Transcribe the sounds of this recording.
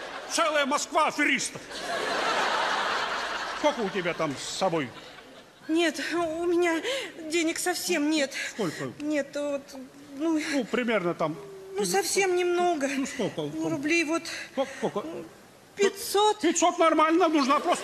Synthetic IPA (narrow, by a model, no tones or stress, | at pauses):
t̪sɛlˠəjəmɐskvaɐfʲɪɾʲist̪əf | skokəʊtʲɪbʲat̪amsːɐboj | nʲe̞t̪ʊmʲɪnʲadʲenʲɪksɐfsʲe̞mnʲe̞t̪skolʲkənʲe̞t̪vot̪ | nuupɾʲɪmʲe̞rnət̪amnusɐfsʲe̞mnʲɪmno̞ɡəsk̪okənɾʊblʲejvot̪okokə | pʲɪtʲso̞t̪pʲɪtʲsot̪nɐrmalʲnənʊʐnapɾost̪